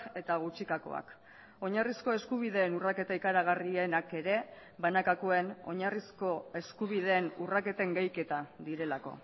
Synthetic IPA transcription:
e̞t̪aɣ̞ut͡ʃikako̞̰a̰k | o̞ɲarisko̞e̞skuβ̞iðe̞ːnurake̞t̪aikaɾaɣ̞arienake̞ɾe̞ | βanakakoe̞no̞̰ɲarisko̞e̞skuβ̞iðe̞ːnurake̞t̪e̞ŋɡajke̞t̪aðiɾe̞lako̞̰

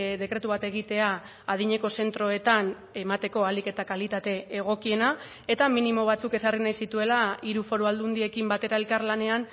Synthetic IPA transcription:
ðe̞kɾe̞t̪uβat̪e̞ɣ̞it̪e̞aː | ð̞iɲe̞ko̞se̞nt̪ɾo̞e̞t̪an | e̞mat̪e̞ko̞alike̞t̪akalit̪at̪e̞ːɣ̞o̞kie̞na | e̞t̪aminimo̞β̞at͡suke̞sarinajsit̪ue̞laiɾufo̞ɾoald̪und̪ie̞kimbat̪e̞ɾae̞lkaɾlane̞an

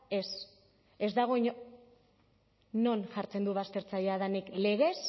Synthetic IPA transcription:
e̞s | e̞zd̪aɣ̞o̞iɲo | no̞nʝaɾt͡se̞nd̪uβast̪e̞ɾt͡saʎaðanikle̞ɣ̞e̞s

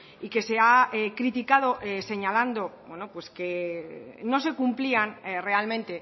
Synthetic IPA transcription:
ike̞se̞aekɾit̪ikað̞o̞ʔese̞ɲaland̪o̞bwe̞no̞pwe̞ske̞ | no̞se̞kumplianre̞almẽ̞nt̪e̞

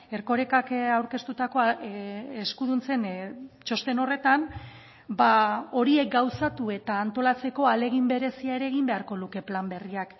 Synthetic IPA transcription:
e̞ɾko̞ɾe̞kakawɾke̞st̪ut̪ako̞ | eskuð̞unt͡se̞nt͡ʃo̞st̪e̞no̞re̞t̪an | bao̞ɾie̞k̚ɡawsat̪ue̞t̪aːnt̪o̞lat͡se̞ko̞ale̞ɣ̞imbe̞ɾe̞siaeɾe̞ɣimbe̞aɾko̞luke̞plambe̞riak

